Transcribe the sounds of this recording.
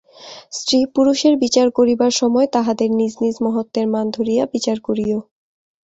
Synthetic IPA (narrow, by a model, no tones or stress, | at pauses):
sɾipuɾuʃeɾbit͡ɕaɾkoɾibaɾʃɔmɔet̪aɦad̪eɾnid͡ʑnid͡ʑmɔɦot̪ːeɾmand̪ʱoɾijabit͡ɕaɾkoɾio